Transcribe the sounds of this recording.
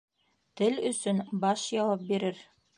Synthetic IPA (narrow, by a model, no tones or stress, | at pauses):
t̪ɘlɵ̆sɵnbɑʃjɑwɑp̚biɾɘɾ